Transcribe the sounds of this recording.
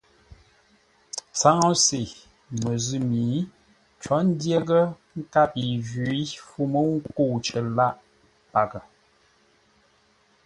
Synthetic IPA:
t͡sa˦ŋɔ˦se˨ | mə˨zʉ˦mi˨˦ | t͡ʃɔ˨˦n̩˦dje˦ɡə˦ | ŋ̩˦ka˦pi˨vʉ˨i˦fu˦mə˦ŋ̩˦ku˦˨t͡ʃə˨la˦ʔ | pa˨kə˨

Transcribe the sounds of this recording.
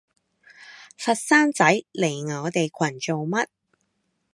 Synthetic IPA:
fɐ˧t̚saː˥nt͡sɐ˨˥jle˨˩jŋɔː˨˧t̪e˨jkʰwɐ˨˩nt͡ʃo˨wmɐ˥t̚

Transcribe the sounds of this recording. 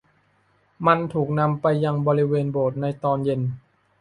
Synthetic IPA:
ma˧nt̪ʰuː˨˩k̚na˧mpa˧jːa˧ŋbɔː˧ɾi˦˥weː˧nboː˨˩t̪̚na˧jt̪ɔː˧nje˧n

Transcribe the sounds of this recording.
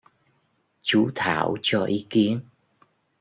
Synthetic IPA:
t͡ɕu˨˦t̪ʰaː˧˩˨wt͡ɕɔ˧ʔi˨˦ki˨˦ən

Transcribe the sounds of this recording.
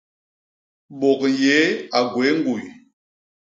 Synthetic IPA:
ɓɔ˨kje˨˦a˨ɡwe˨˦ŋ˦ɡu˨j

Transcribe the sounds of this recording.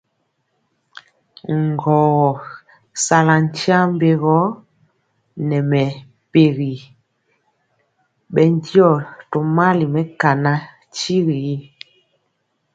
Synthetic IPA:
ŋ˨ɡɔ˨ɣɔ˨ | sa˨la˨n˦tja˦m˦be˨ɣɔ˦ | nɛ˨mɛ˨ | pe˨ɣi˨ | ɓɛ˨n˦djɔ˦˨to˨ma˦li˨mɛ˦ka˨na˦ | t͡ʃi˦ɣi˨˦

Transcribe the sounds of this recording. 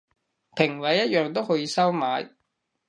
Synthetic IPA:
pʰɪ˨˩ŋwɐ˨˥jːɐ˥t̚jœː˨˧ŋt̪o˥whɵ˨˧jiː˧sɐ˥wmaː˨˧j

